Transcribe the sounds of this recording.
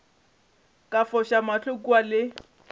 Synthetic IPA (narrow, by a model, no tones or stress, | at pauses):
kʼafɔʃamaɬʰʊkuwalɪ